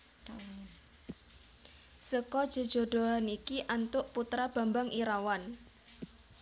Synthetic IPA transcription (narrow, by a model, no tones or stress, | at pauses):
səkɔd̥ʒ̥ə̤d̥ʒ̥o̤ɖ̥o̤ɦanikiʔant̪ʊʔput̪ɾab̥a̤mbaŋʔiɾawan